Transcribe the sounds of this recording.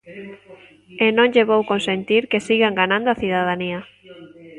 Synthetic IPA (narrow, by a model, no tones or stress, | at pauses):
enõŋʎeβowkonsent̪iɾkesiɣaŋɡanãnd̪oaθiðað̞ania